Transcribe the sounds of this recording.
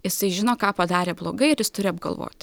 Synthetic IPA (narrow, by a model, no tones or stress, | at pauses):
jɪsɐɪʒʲɪnoːkɑːpɐd̪ɑːɾʲeːblˠoːɡɐɪɪɾjɪst̪ʊɾʲɪɐbɡɐ̰lˠʋo̰ːt̪ʲ